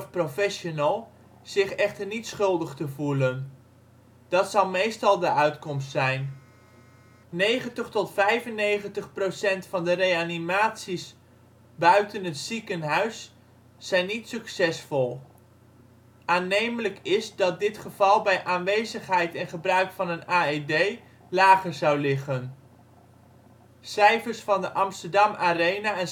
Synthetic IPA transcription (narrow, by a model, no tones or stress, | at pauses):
fprofɛʃonəlˠ | z̥ɪχɛχtərnitsχɵlˠdəχtəvulən | d̥ɑtsɑwˠmejstɑlˠdəœɥtkɔmstsɛjn | nejχəntəχtɔtfɛjvənejχəntəχprowsɛntfɑndərejanimaːtsis | bœɥtənɦətsikənɦœɥsː | ɛjnːitsɵksɛsfɔlˠ | ʔaːnejmələkɪzdɑt̚dɪtχəvɑlˠbɛjʔaːnʋejzəχɦɛjtɛnχəbrœɥkfɑnənaːedej | laːχəɹzɑwlɪχən | sɛjfəɹsfɑndəʔɑmstəɹdɑmaːrejnaɛn